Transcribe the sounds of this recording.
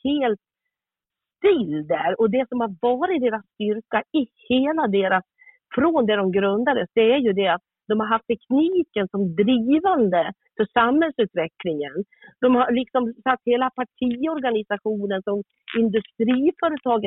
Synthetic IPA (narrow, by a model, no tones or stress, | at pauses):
heːlt̪ | st̪ɪld̪æɾɔd̪ɛsɔmhaɾvɑːɾɪt̪̚d̪eːɾasːt̪ʏɾkaɪheːlad̪eːɾas | fɾɔnd̪ɛd̪ɔmɡɾɵnd̪ad̪əsd̪ɛæɾjɵd̪ɛat̪̚ | d̪ɔmhaɾɦaft̪ʰːɛkʰniːkənsɔmd̪ɾiːvand̪ə | fœʂamhɛlsʉ̟ːt̪vɛklɪŋən | d̪̥ɔmhalɪksɔmsat̪ːheːlapʰaʈʰiːɔɾɡanɪsaɧuːnənsɔm | ɪnd̪ɵst̪ɾiːfœːɾət̪ʰɑːɡə